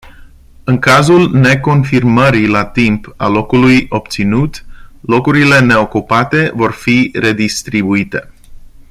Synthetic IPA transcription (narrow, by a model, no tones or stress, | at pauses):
ɨŋkazulne̞ko̞nfirməɾilat̪impa̰lo̞kulujo̞p̚t̪sinut̪lo̞kuɾile̞ne̞o̞kupat̪e̞vo̞rfire̞d̪ist̪ɾibuit̪e̞